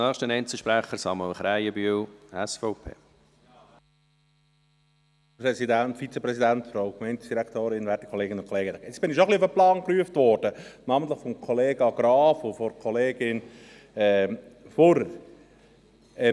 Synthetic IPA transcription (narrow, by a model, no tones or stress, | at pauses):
ɛːχʃtənɛɪnt͡sl̩ʃpɾæχːəɾsɑməlχɾæɪjəbyəlɛsfɔʊpʰḛː | pɾɛsidænt̪fit͡səpɾɛsidæntfɾoʊkmɛɪntsd̥iɾækt̪oːɾɪnʋæɾti̥kʰɔleːɡɪnʊnkʰɔleːɡəɪt͡sb̥ɪnɪʃoχliʊfəplɑːnkɾyəft̪ʋɔːɾd̥ənɑːmənt̪ləχfɔmkʰɔleːɡɑɡ̥ɾɑːfofɔɾkʰɔleːɡɪn | ɛːfoɾ | ɛ